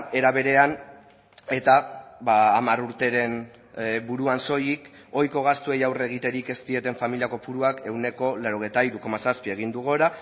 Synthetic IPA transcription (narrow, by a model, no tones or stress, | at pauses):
e̞ɾaβ̞e̞ɾe̞an | e̞t̪aβaːmaɾuɾt̪e̞ɾe̞n | buɾuanso̞jik | o̞jko̞ɣast̪ue̞jawre̞ɣ̞it̪e̞ɾike̞st̪ie̞t̪e̞ɱfamiliako̞puɾuake̞wne̞ko̞leaɾo̞ɣ̞ejt̪aiɾuko̞masaspie̞ɣ̞ind̪uɣ̞oɾa